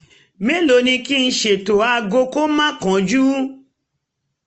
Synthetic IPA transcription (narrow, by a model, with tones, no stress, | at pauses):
me˦lo˨˦nĩ˧ki˦n̩˧ʃe˨to˨a˧˨ɡo˧ko˦mã˦kɔ̃˨˦d͡ʒu˦